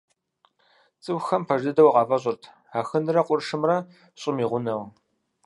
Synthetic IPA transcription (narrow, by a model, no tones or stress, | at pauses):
t͡sʼɨwxɐmpʰɐʒɨdɐwqɑːvɐɕ̬ʼʊrtʰ | aːxɨnɨrɐqʷʼʊrʂɨmrɐ | ɕʼɪmiːʁʷʊnɐw